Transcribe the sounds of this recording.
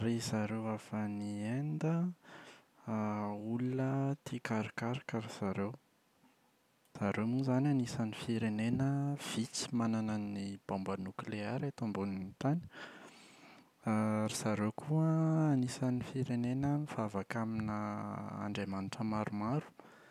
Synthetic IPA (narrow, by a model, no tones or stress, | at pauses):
ɾizaɾewafaniend̪ə | ulunət̪ʰikaɾikaɾakaɾiz̥aɾew | z̥aɾewmuzananisanifiɾenenəv̥it͡si̥mananənib̥ambanukleɛɾat̪ombunint̪ani̥ | aɾisaɾewkʰuəːnisanifiɾenenəmiv̥avakaminəa̰ɳɖ͡ʐemaniʈ͡ʂəmaɾumaɾu̥